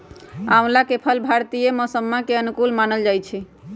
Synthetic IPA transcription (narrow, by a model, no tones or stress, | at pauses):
awlakepʰəlbʱaɾt̪ijemɔsəmːakeənukulmanəld͡ʒajt͡ʃʰi